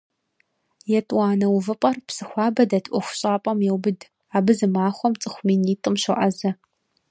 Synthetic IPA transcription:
jɛtʼwʷɑːnɐwvɨpʼɐrpsɨxʷɑːbɐdɐtʰʔʷɔxʷʊ̥ɕʼaːpʼɐmjɛwbɨd | aːbɨzɨmaːχʷɔmt͡sʼɨxʷmiːniːtʼɨmɕɨʔɐzɐ

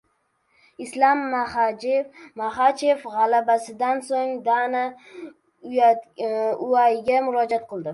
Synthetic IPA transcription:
ɪslamːahad͡ʒemaχat͡ʃefʁɑlabasɪd̪ansoŋd̪ana | j | ʊajɪɡʲamʊɾɒd͡ʒat̪̚qɨlˠd̪ɪ

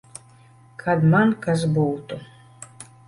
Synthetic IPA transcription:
kʰad̪mankazbuwt̪u

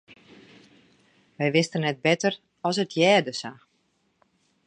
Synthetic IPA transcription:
ʋɛjʋɪstənɛt̚bɪtər | ɔsətʰjɛːdəsa

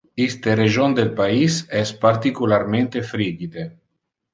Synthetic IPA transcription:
ist̪ereʒond̪elpaisɛspaɾt̪ikulaɾmẽnt̪efɾid͡ʒid̪e

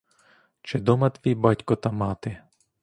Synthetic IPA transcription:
t͡ʃɪd̪ɔmɐt̪ʋʲibɑtʲkɔt̪ɐmɑt̪ɪ

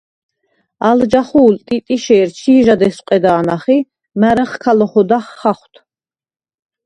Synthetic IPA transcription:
ald͡ʒaχuːlt̪ʼit̪ʼiʃɛːɾt͡ʃʰiːʒad̪ɛsqʼɛd̪aːnaχi | mæɾɛχkʰalɔχɔd̪aχːaχwt̪ʰ

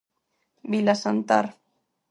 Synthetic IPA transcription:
bilasant̪a̰ɾ

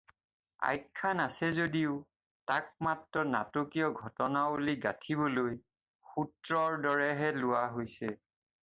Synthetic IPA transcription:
a̰jkʰːanasɛzodiʊ | tak̚matɹɔna̰tokijɔɡʱɔtɔnaoliɡatʰibɔloj | xutɹɔɹdɔɹɛɦɛlʊwaɦojsɛ

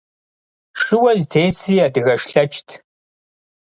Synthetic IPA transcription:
ʂɨwɐztʰeːsriːadɨɣɐʂɬɐt͡ʃʰʼtʰ

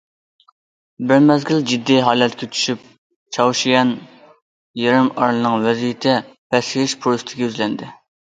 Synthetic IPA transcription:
bɪɾmɛzɡʲild͡ʒid̪ːiɦɑːlɛt̪kʲɛt͡ʃʰy̥ʃyp̚ | t͡ʃʰɑwʃijɑn | jeɾɪmɑɾlˠɨnɨŋwɛzijit̪ʰɪpʰɛsɪɪʃpʰuɾst̪ʰɪɡʲɛyzlɛnd̪ɪ

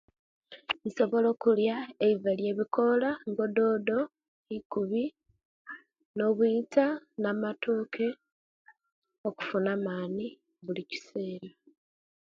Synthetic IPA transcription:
iso̞βo̞lo̞ːkuljaeivalje̞ːβikʰo̞laŋɡo̞do̞ːdo̞ | ikuβi | no̞βwiːtanaːmatʰoːkʰe̞ | o̞ku̥funaːmaːni | βulici̥se̞ːɾa

